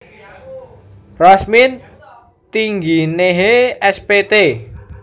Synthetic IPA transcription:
rɔsmin | t̪iŋɡineɦeɛspet̪e

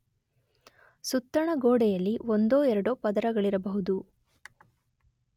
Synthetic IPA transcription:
sut̪ːɾɐɳɐɡoːɽɛjɐlːiond̪oːɛɾɐɽoːpɐd̪ɐɾɐɡɐɭiɾɐbɐɦud̪u

